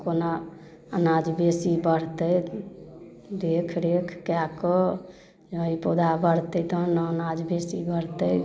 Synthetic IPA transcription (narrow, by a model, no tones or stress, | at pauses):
kona | ənad͡ʒbesibəɽt̪əj | d̪ekʰɾekʰkjakɔ | d͡ʒəipod̪abəɽt̪ət̪ɔnənad͡ʒbesibəɽt̪ə